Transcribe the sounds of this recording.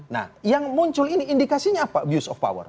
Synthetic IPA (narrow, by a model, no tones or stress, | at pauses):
na̰hjaŋmuɲt͡ʃʊliniːndikasiɲaːpabjusɔfpa̰wə̰r